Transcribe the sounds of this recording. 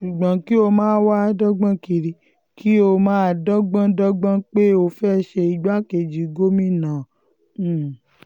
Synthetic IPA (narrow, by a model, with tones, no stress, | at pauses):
ʃu˨ɡ͡bã˨˦ki˦o˧mãː˦wa˦˧˦dɔ˦ɡ͡bã˦ki˧ɾi˧ | kʰi˦o˧mãː˦a˧dɔ˦ɡ͡bã˦dɔ˦ɡ͡bã˦k͡pe˦o˧fɛ˦˨ʃe˧i˧ɡ͡ba˦ke˧˨d͡ʒi˨˦ɡo˦mĩ˦˨nã˨˦˨